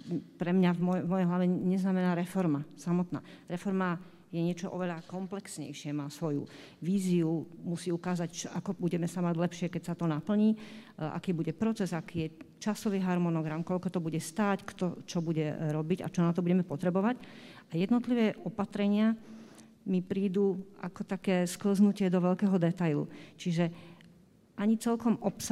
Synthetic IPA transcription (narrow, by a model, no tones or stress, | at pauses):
pɾɛmɲavmɔmɔjɛjɦlaʋɛɲɛznamɛnaːɾɛfɔɾmasamɔt̪na̰ːɾɛfɔɾma | jɛɲɪɛt͡ʃɔʔɔʋɛʎakɔmplɛksɲɛ̰jʃɪɛmaːsʋɔjṵ | ʋiːziumusiːukaːzact͡ʃɔʔakɔbuɟɛmɛsamaɟlɛpʃɪɛkɛcsat̪ɔnapl̩ɲiːʔa̰kiːbuɟɛpɾɔt͡sɛzakiːjɛt͡ʃasɔʋiːɦaɾmɔnɔɡɾamkɔʎkɔt̪ɔbuɟɛst̪aːckt̪ɔt͡ʃɔbuɟɛɾɔbiɟa̰t͡ʃɔnat̪ɔbuɟɛmɛpɔt̪ɾɛbɔʋacajɛd̪nɔt̪liʋɛːʔɔpat̪ɾɛɲɪa | mipɾiːd̪uːa̰kɔt̪akɛːskl̩znucɪɛd̪ɔʋɛʎkɛːɦɔd̪ɛt̪ajlṵt͡ʃiʒɛ | ʔaɲit͡sɛlkɔmʔɔpsa